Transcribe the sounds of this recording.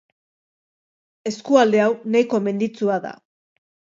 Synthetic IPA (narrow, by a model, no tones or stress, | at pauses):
e̞skuald̪e̞awnajko̞me̞nd̪it͡suaða̰